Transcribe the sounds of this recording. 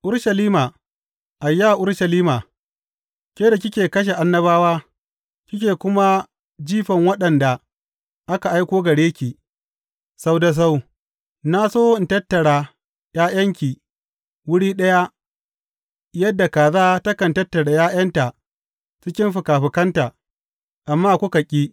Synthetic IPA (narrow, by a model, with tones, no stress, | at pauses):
ʔʊ˦ɾʃɐ˨liː˦maː˨ | ʔa˨jːa˦˨ʔʊ˦ɽʃɐ˨liː˦maː˨ | kʲeː˦da˨kʲɪ˦kʲeː˨kɐ˦ʃ̬e˨ʔa˦nːɐ˦βaː˦waː˦ | kʲɪ˦k̬ʲeː˨kʷʊ˦ma˦ | d͡ʒiː˦ɸɐ˨ŋwɐ˦ɗɐ˨nda˨ | ʔa˦ka˨ʔa˦jkʷoː˦ɡɐ˨ɽeː˦kʲiː˨ | sa˦wda˦s̬a˦w | na˦soː˦ɪ˨ntɐ˦tːɐ˨ɽaː˨ | jaː˦j̰ɐ˦ŋkʲiː˨ | wʊ˦ɽiː˦ɗɐ˦ja˦ | jɐ˦dːa˨kaː˨zaː˦tɐ˦kɐ˨ntɐ˦tːɐ˨ɽa˨jaː˦j̰ɐ˦nta˨ | t͡ʃɪ˦kʲɪ˦mɸɪ˨kaː˨ɸɪ˨kɐ˦nta˨ | ʔa˨mːaː˦kʷʊ˦ka˨kʲʼiː˦